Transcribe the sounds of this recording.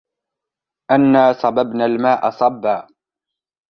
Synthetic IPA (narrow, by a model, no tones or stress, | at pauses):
ʔanːaːsˤɑbabnalmaːʔa̰sˤɑbːaː